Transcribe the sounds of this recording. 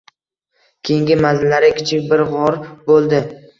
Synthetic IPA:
kʲʰe̞jɪŋɡʲɪmazɪlːaɾɪkʲʰɪ̥t͡ʃʰɪkʲbɪɾʁɒɾbolˠd̪ɪ

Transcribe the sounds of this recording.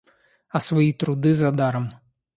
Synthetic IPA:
ɐsʋɐjit̪ɾʊd̪ɨzɐd̪aɾɐm

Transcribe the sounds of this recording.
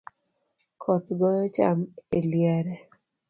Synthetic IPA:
kʰɔt̪ɡɔjɔt͡ʃa̰meljɛɾɛ

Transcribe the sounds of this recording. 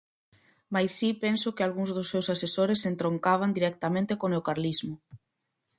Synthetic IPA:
majsipɛnsʊkɪalɣuŋzðʊsːewsasesoɾesːent̪ɾoŋkaβ̞and̪iɾɛk̚t̪amẽnt̪ɪkoneokaɾlizmʊ

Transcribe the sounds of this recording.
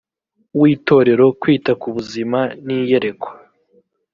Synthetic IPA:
wiːto̞ːɾe̞ɾo̞kwiːtakuβuzimaniːje̞ɾe̞kʰo̥

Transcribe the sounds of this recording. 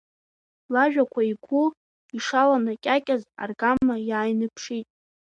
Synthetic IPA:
laʒᶣakʷʰaiɡʷu | iʂalanakʲʼakʲʼaza̰rɡamːajaːjnɨpʰʂitʼ

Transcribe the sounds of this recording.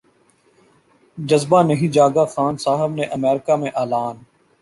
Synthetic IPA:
d͡ʒəzbaːnəɦĩːd͡ʒaːɡaːxaːnsaːɦəbneʔəmɛːɾɪkaːmẽʔaːlaːn

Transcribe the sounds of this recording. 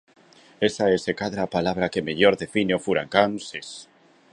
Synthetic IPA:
esaesekaðɾapalaβ̞ɾakemeʎoɾðefineofuɾaŋkanses

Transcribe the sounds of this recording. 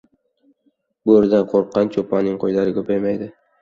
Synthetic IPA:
bʊɪɾd̪anqʰoɾqːɑnt͡ʃʰopanɪŋqʰojlaɾɪkʲʰɵpʰajmajd̪ɪ

